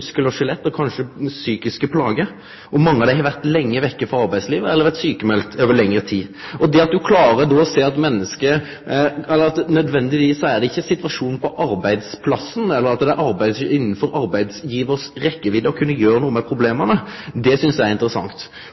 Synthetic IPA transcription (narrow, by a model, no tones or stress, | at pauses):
skəlɔʂɪlɛt̪ːɔkʰɑnʂəsyːkɪskəpʰlɑːɡə | ɔmɑŋːəɑʋd̪æɪhɑʋæɾt̪lɛŋːəʋɛkːəfɑɑɾbæɪsliːʋəɛlːəʋæʁt̪syːkəmɛlkt̪ʰøːʋəlɛŋːɾət̪ʰiːɔd̪ɛɑt̪̚d̪ʉkʰlɑːɾəd̪ɔseːɑt̪mɛnːəskə | ɛlːəɾɑt̪nœd̪ʋɛnd̪ɪʋiːsːɔæɾd̪ɛɪçːəsɪt̪ʋɑʂuːnn̩pʰɔʔɑɾbæɪd̪spʰlɑsn̩ɛlːəɾɑt̪d̪ɛæɾʔɑɾbæɪd̪sɪnːən̩fɔɾɑɾbæɪd̪sjiːʋəɾsɾɛkːəʋɪd̪əɔkʰʉnːəjøːɾənuːəmɛpʰɾʊbleːmənəd̪ɛsʏnsjææɾɪnt̪əɾəsɑ̰ŋt̪